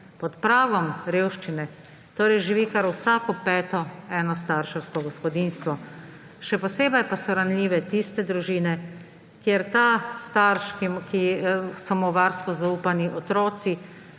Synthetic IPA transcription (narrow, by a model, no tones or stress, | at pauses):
pɔt̪pɾaːɡɔmɾeːwʃt͡ʃinɛ | t̪oːɾɛjʒiʋikaɾwsaːkɔpɛːt̪ɔɛːnɔs̬t̪aːɾʃɛwskɔɡɔspɔd̪inst̪ʋɔ | ʃɛpɔseːbɐjpasɔɾanliːʋɛt̪ist̪ɛd̪ɾuʒiːnɛ | kjeɾt̪ast̪aɾʃkimkisɔmɔʋaɾst̪ʋuzauːpaniʔɔt̪ɾɔːt̪si